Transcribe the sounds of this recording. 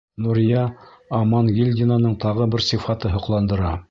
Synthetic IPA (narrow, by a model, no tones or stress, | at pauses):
nuɾjɑːmɑnɡilʲdʲɪnanɤɴt̪ɑʁɤbɘɾsifɑt̪ɤɦŏqlˠɑnd̪ɤ̆ɾɑ